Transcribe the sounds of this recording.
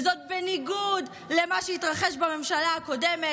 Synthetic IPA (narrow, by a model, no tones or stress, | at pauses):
zot̪̚beniɡud | lemaʃeitʁaχeʃbame̞mʃalaako̞deme